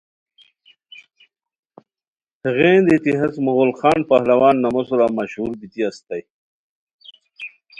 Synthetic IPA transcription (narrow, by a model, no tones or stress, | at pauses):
həɣẽːnd̪it̪iɦat͡smuɣolxɑːnpahlawaːnːamosuɾamaɕhuɾbit̪iast̪aj